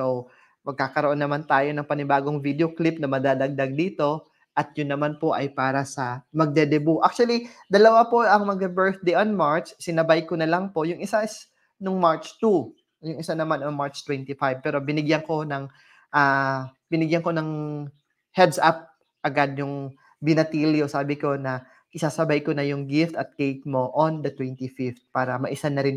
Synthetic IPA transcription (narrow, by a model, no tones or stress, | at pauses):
sow | mɐɡ̚kaːkɐɾoʔo̞nːɐmant̪aːjo̞nɐŋpɐnɪbaːɡo̞ŋvid̪eoklɪp̚nɐmɐd̪aːd̪ɐɡ̚d̪ɐɡ̚d̪iːt̪o̞ | ʔɐt̪̚jʊnːɐmanpo̞ʔɐjpaːɾɐsɐmɐɡ̚d̪ɛd̪ɛbuʔak̚t͡ʃuɐlid̪ɐlɐwapo̞ʔɐŋmɐɡ̚bɛbɛɹθd̪ejonmaɹt͡ʃsɪnɐbajkonɐlɐŋpo̞ʔjʊŋʔɪsaɪs | noŋmaɹt͡ʃt̪u | jʊŋɪsanɐmanoŋmaɹt͡ʃt̪wɛnt̪ifajb̚pɛːɾo̞bɪnɪɡjɐŋko̞nɐŋ | ʔaː | b̥ɪnɪɡjɐŋko̞nɐŋ | hɛd̪sap̚ | ʔɐɡad̪̚jʊŋ | bɪnɐt̪iljosaːbɪko̞nɐ | ʔɪsaːsɐbajkonɐjʊŋɡɪft̪ɐt̪̚kejk̪̚mo̞ʔond̪ɐt̪wɛnt̪ifɪft̪̚paːɾɐmɐ̰ʔɪsanɐɾɪn